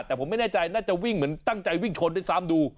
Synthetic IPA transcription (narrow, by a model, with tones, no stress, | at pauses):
t̪ɛː˨˩pʰo˩˦ma˥˩jnɛː˥˩t͡ɕa˧jnaː˥˩t͡ɕa˨˩wi˥˩ŋmɯ˩˦ənt̪a˥˩ŋt͡ɕa˧jwi˥˩ŋt͡ɕʰo˧ndjsaː˦˥mduː˧